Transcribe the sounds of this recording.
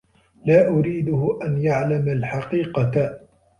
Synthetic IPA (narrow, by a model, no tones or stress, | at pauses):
laːʔʊɾiːd̪ʊhʊʔanjaʕlamalħɑqiːqɑa